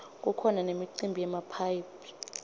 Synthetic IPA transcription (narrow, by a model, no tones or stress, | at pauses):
k̬ʼukʰɔnanemiǀimbʱijɛmapʰajpʰi̥